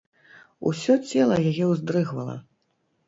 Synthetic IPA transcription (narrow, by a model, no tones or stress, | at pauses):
ṵsʲɔt͡sʲɛlˠɐjajɛwzd̪ɾɨɣvɐlˠɐ̰